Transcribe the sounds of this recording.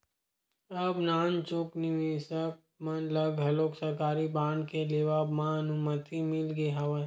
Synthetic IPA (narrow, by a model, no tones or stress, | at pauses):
ɐbnaːnt͡ʃokniʋisək̚ | mɐnlɐɡɦɐloːksɐɾkaːɾibaːɳkeleːʋaːbmãnʊmət̪imɪlɡeɦɐʋə